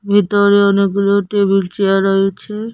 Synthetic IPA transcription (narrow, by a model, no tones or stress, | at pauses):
bʱit̪oɾeɔneɡɡuloʈebilt͡ɕeaɾojet͡ɕʰe